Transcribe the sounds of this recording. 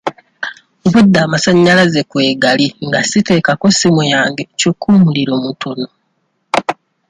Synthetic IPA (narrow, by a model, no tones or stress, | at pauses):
βudːaːmasaɲːalaze̞kwe̞ːɡaliŋɡa̰site̞ːkako̞simujaːŋɡe̞cokʰːuːmuliɾo̞ːmutʰono